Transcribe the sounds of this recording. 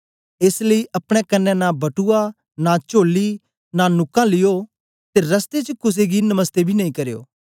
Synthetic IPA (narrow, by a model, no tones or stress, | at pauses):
esləiːʔɐpɽ̃ɛkɐnːɛ̃nabɐʈua | nat͡ʃoːliː | nanʊkãːlɪjoː | t̪eɾɐst̪et͡ʃəkʊs̬eɡinɐməst̪ebʱiːnɐĩːkɐɾejo̰ː